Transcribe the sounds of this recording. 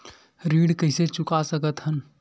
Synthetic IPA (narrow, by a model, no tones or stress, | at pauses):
ɾiːɽkəɪset͡ʃʊkasəkət̪ɦən